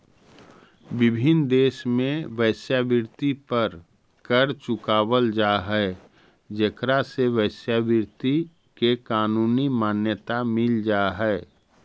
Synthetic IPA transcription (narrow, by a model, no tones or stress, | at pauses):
ʋɪbʱɪnd̪eːʃmẽʋəɪsjabɪɾt̪ipəɾ | kəɾt͡ʃʊkaːwəld͡ʒaːɦɛ | d͡ʒekɾaseʋəsjabɪɾt̪i | kekaːnuːnimaːnjət̪amɪld͡ʒaːɦɛː